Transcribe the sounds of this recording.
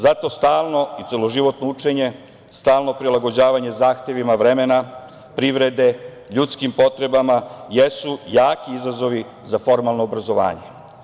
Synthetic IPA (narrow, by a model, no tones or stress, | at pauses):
zat̪o̞st̪aːlˠno̞it̪selo̞ʒiʋo̞t̪nout͡ʃe̞ɲe̞ | st̪aːlno̞pɾilˠaɡo̞d͡ʑaːʋaɲezaːxt̪e̞ʋimaʋɾe̞mena | pɾiʋɾe̞d̪e̞ | ʎut̪skimpo̞t̪ɾe̞bamajesujaːkiizazo̞ʋi | zafo̞ɾmalˠnoːbɾazo̞ʋa̰ːɲe̞